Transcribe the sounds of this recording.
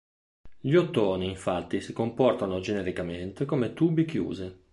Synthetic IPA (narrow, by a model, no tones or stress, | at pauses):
ʎiot̪ːoːniiɱfat̪ːisikompɔrt̪anod͡ʒeneɾikament̪ekomet̪uːbikjṵːze